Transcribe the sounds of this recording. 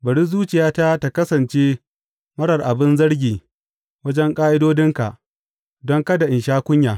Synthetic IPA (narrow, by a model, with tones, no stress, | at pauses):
bɐ˨ɽiː˦zuː˦t͡ʃɪ˨jaː˦ta˦ta˨kɐ˦sɐ˨nt͡ʃeː˦ | mɐ˦ɽɐ˨rʔa˨bɪ˦nzɐ˦ɽɡʲiː˨ | wɐ˦d͡ʒɛ˦ŋkʼaː˦ʔɪ˦doː˦dɪ˦ŋka̰˨ʔ | dɔ˦ŋkɐ˦da˨ʔɪ˨nʃaː˦kʷʊ˦ɲjaː˨